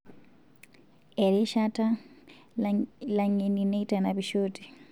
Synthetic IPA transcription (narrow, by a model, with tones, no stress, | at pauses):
ɛ˨ɾi˦ʃatʰʼa˦ | la˦ŋe˨nine˦i˦tʼa˨nabiʃoːtʼi̥˨